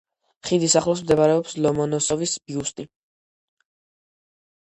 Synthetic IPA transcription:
χid̪isaχlˠɔs̬md̪ɛbaɾɛɔpslɔmɔnɔsɔvisbiust̪ʼi

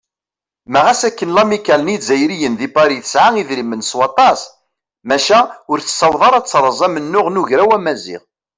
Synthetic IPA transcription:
mæʁæsækːənlɑmikːælənizæjɾijənðipɑɾiθə̥sʕaŋiðɾimənswɑt̪ˤɑs | mæʃæʊɾθə̥sːɑwðˤɑɾˤɑt͡sːɾˤəzˤɑmənːʊʁnʊʝɾæwæmæzḭʁ

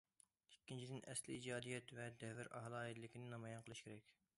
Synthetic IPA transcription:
i̥kʲːint͡ʃʰid̪ɪnʔɛsliid͡ʒɑːd̪ijɛt̪vɛd̪ɛvɪɾʔɑ̰ɦlˠɑːjit̪lɪkʲinɪnɑmɑjɑnqʰəlˠɨʃkʲeɾɛkʲ

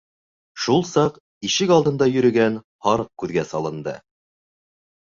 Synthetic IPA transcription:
ʃulˠsɑq | iʃɘkɑlˠd̪ɤ̆nd̪ɑjɵ̆ɾɵ̆ɡæn | hɑɾɤq̚kʉðɡæsɑlˠɤ̆nd̪ɤ̰

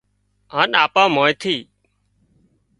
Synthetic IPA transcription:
ɦaːnaːpãːmoːjt̪ʰiː

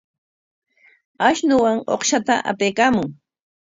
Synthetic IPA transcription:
aʃnʊwaŋo̰χʃat̪a̰ʔa̰pejkaːmʊŋ

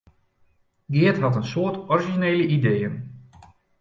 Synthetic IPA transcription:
ɡɪətɦɑtənsʊːtɔriʒineːləidejən

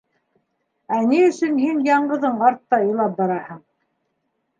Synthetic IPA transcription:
æniɵ̆ʃɵnhinjɑɴɢɤ̆ðɤɴɑɾt̪ːɑjɤ̆lˠɑp̚bɑɾɑhɤɴ

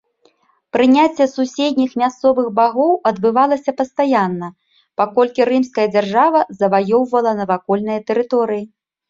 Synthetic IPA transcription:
pɾɨnʲat͡sʲːɛsusʲed̪̚ʲnʲixmʲast̪sɔvɨɣbaɣɔwɐd̪bɨvalˠɐsʲɐpɐst̪ajanːɐ | pakɔlʲkʲiɾɨmskɐjɐd͡zʲarʐavɐzɐvajɔwvɐlˠɐnɐvakɔlʲnɨjɐt̪ɛɾɨt̪ɔɾɨji

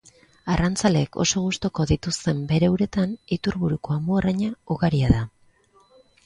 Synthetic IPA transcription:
arant͡sale̞ːkʰo̞̰so̞ɣust̪oko̞ðit̪ust̪e̞mbe̞ɾwɾe̞t̪anit̪uɾβuɾuko̞amboaraɲauɣaɾiaða

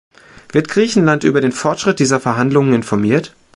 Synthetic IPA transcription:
v̥ɪɐtɡ̥ʁiːçn̩lantʔyːbɐɾeːnfɔɐtʃʁ̥ɪt̚d̥iːzɐfɛɐɦandlʊŋənɪnfɔɐmiːɐt

